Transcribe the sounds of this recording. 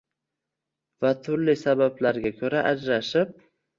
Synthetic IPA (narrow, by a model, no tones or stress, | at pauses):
vat̪ʰʊɾlɪsabablaɾɡʲakʲʰɵɾaʔad͡ʒɾaʃɪp̚